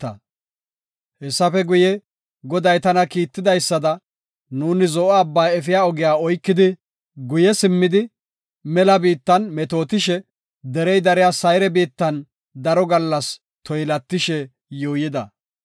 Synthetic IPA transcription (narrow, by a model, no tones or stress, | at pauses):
t̪ːɐ̰ | hɛsːɐfɛɡʊjɛ | ɡɔd̪ɐjt̪ɐnɐkiːt̪ːɪd̪ɐjsːɐd̪ɐ | nuːnɪzɔʔːbːɐjɛfɪjaːɔɡɪjaːɔjkːɪd̪ɪ | ɡʊjɛsɪmːɪd̪ɪ | mɛlɐbiːt̪ːɐnmɛt̪o̞ːt̪ɪʃɛ | d̪ɛɾɛjd̪ɐɾɪjaːsɐjɾɛbiːt̪ːɐn | d̪ɐɾɔɡɐlːɐs | t̪ʰɔjlɐt̪ːɪʃɛ | joːjɪd̪ɐ